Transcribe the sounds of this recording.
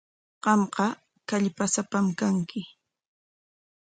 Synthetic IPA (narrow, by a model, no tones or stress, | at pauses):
ɢɑmqɑ | kaʎpasapamkaŋkɪ